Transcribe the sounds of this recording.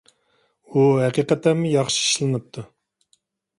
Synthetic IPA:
uɦæqiqɛt̪ʰæmɨjɑχʃi̥i̥ʃlˠɨnɨp̚t̪ʰu

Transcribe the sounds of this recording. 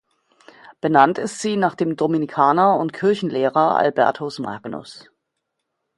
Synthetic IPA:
b̥ənantɪstz̥iːnaːχd̥eːmdomɪnikʰaːnɐʊntkʰɪɐçn̩leːʁɐʔa̰lbɛ̰ɐtʰosma̰ɡnʊ̰s

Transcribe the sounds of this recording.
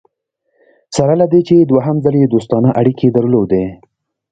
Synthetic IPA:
saɾalad̪et͡ʃed̪waɦamzaled̪ost̪ɑnaʔaɽikʰed̪əɾlod̪e

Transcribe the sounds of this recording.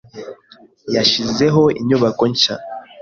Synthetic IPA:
jaʃize̞ɦo̞iɲuβako̞ɲca̰

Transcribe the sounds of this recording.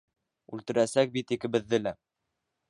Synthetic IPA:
ʉlt̪ɘ̆ɾæsæk̚bit̪ikɘ̆bɘ̆ðːɘlæ

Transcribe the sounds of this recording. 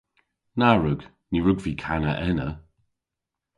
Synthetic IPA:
naɹʊɡ | niɹʊɡviːkʰanəʔɛnə̰

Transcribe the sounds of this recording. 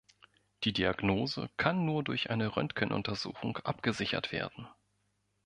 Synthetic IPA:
d̥iːdiaɡnoːzə̰kʰanːuːɐdʊɐçʔa̰ɪnəʁœ̰ntkʰənʔʊ̰ntɐzṵːxʊŋʔa̰pɡ̥əzɪçɐ̰tv̥ḛːɐd̥n̩

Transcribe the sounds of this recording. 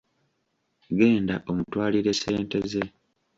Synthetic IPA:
ɡe̞ːndaʔo̞mutwaːliɾe̞se̞ːnte̞ze̞

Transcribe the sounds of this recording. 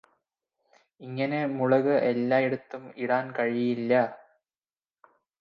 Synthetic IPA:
iŋːɐne̞muɻɐɣɨʔelːaːeɽut̪ːumiɽaːnkɐɻijilːɐ

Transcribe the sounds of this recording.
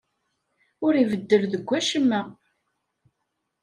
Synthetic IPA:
ʊɾivəd̪ːəɾðəɡʷːæʃəmːæ

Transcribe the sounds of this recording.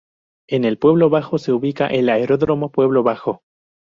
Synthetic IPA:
e̞ne̞lpwe̞βlo̞βaxo̞se̞uβika̰ʔe̞laeɾo̞ðɾomo̞pwe̞β̞lo̞βaxo

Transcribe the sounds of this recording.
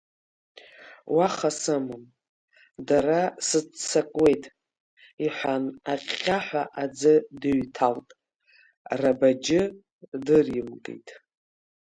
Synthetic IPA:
waχasɨmɨm | darasɨt͡sakʷʼwe̞jtʼ | iħʷanaqʼːʲaħʷᶣaʔad͡zɨdɨɥtʰaltʼ | rabad͡ʒɪ | dɨrjɪmkʼḛjtʼ

